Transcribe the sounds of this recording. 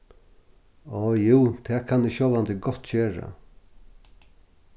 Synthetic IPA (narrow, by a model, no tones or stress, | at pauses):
ɔːjuːt̪ʰɛːkʰanɪɕowlant̪ɪɡɔt̪ːt͡ɕøːɹa̰